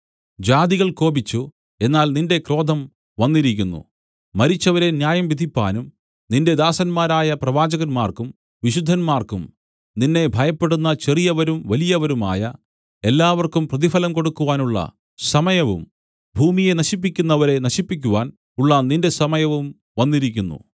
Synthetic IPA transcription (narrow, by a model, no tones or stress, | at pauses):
d͡ʑaːd̪iɣɐɭko̞ːbit͡ɕːu | e̞nːaːlninde̞kro̞ːd̪ʱɐm | ʋɐnːiɾikʲːunːṵ | mɐɾit͡ɕːɐʋɐɾe̞njaːjɐmʋid̪ʱipːa̰ːnum | ninde̞d̪aːsɐnmaːɾaːjɐprɐʋaːd͡ʑɐɣɐnmaːrkum | ʋiɕud̪ʱːɐnmaːrkum | ninːe̞bʱɐjɐpːe̞ɽunːɐt͡ɕe̞rijɐʋɐɾumʋɐlijɐʋɐɾuma̰ːjɐ | e̞lːaːʋɐrkumprɐðifɐlɐmko̞ɽukːuʋaːnuɭːɐ̰ | sɐmɐjɐʋṵm | bʱuːmije̞nɐɕipːikʲːunːɐʋɐɾe̞nɐɕipːik̬ʲːuʋaːn | uɭːɐninde̞sɐmɐjɐʋum | ʋɐnːiɾikʲːunːṵ